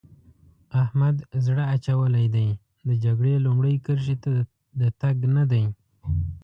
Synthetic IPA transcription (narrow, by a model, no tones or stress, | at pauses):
ahmad̪zɽaːt͡ʃawəlajd̪aj | d̪əd͡ʒaɡɽelumɽəjkəɾʃ̬it̪a | d̪ət̪aɡnad̪aj